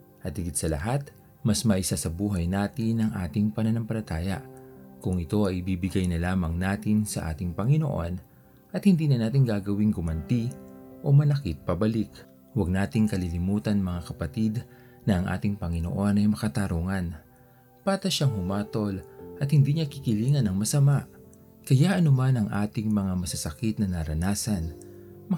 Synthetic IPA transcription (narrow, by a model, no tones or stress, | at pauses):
ʔɐt̪ːɪɡɪt̪sɐlɐ̰ɦat̪ | mɐsmɐʔɪsasɐbuːɦɐjnaːt̪ɪnɐŋʔaːt̪ɪŋpɐnɐnɐmpɐlɐt̪aːjɐ̰ʔkʊŋɪt̪o̞ɐjɪbiːbɪɡajnɐlaːmɐŋnaːt̪ɪnsɐ̰ʔa̰ːt̪ɪŋpɐŋɪno̰ʔo̞n | ʔɐt̪hɪnd̪iːnɐnaːt̪ɪŋɡaːɡɐwiŋɡʊmɐnt̪iʔo̞mɐlɐkit̪̚pɐbɐlik | wɐɡ̚naːt̪ɪŋkɐlilɪmuːt̪ɐnmɐŋakɐpɐt̪id̪ | nɐʔɐŋʔa̰ːt̪ɪŋpɐŋɪno̰ʔo̞nɐjmɐkɐt̪ɐɾuːŋɐn | paːt̪ɐʃaŋhʊmaːt̪o̞lʔɐt̪hɪnd̪iːɲakɪkɪliːŋɐnɐŋmɐsɐmaʔ | kɐjaʔɐnʊmanɐŋʔaːt̪ɪŋmɐŋamɐsɐsɐkit̪̚nɐnɐɾɐnaːsɐnmɐ